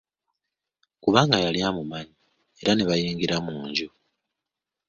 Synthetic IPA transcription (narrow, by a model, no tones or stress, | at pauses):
kuβaːŋɡajaljamumaɲi | eɾaneβajiːŋɡiɾamuːɲɟu